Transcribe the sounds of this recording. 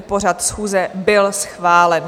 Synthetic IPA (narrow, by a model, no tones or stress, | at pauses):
por̝at̪sxuːzɛbɪlsxvaːlɛn